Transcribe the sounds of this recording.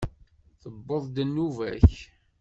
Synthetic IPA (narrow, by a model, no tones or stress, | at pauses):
θəbːəðˤd̪nːuvæ̰ç